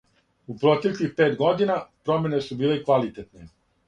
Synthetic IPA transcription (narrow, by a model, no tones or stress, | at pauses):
upɾot̪e̞klixpe̞ːt̪ɡo̞d̪inapɾo̞mʲenesubiːlekʋalit̪et̪ne